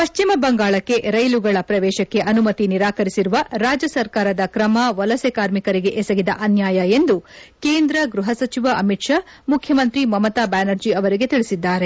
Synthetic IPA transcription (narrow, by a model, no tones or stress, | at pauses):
pɐʃt͡ʃimɐbɐŋɡaːɭɐkːe̞ʔɾɐjluɡɐɭɐpɾɐʋɛːʃɐkːe̞ʔɐnumɐt̪iniɾaːkɐɾisiɾuʋɐɾaːd͡ʒjɐsɐɾkaːɾɐd̪ɐkɾɐmɐʋɐlɐsekaːɾmikɐɾiɡe̞ʔesɐɡid̪ɐʔɐnjaːjɐe̞nd̪ukeːnd̪ɾɐɡɾuɦɐsɐt͡ʃiʋɐɐmiʈʂa | mukʰjɐmɐnt̪ɾimɐmɐt̪aːbaːnɐɾd͡ʒiɐʋɐɾiɡe̞t̪iɭisid̪ːaːɾe̞